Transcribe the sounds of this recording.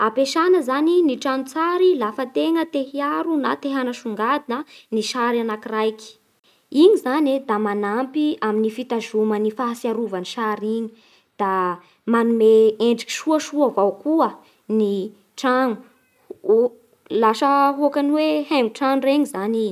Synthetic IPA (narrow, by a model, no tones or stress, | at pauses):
apeʃanəzaniniʈ͡ʂanut͡saɾilafət̪eŋət̪ehiaɾunat̪eɦanəʃuŋɡad̪inəniʃaɾanakrajki̥ | iɲizaned̪amanampiaminifit̪aʒumənifaasiaɾuvaniʃaɾiɲi̥ | d̪̥a | manumeeɳɖ͡ʐiki̥ʃuəʃuəvawkuə | ni | ʈ͡ʂanu | laʃəɦuakaniwehaŋuʈ͡ʂaŋureɲizani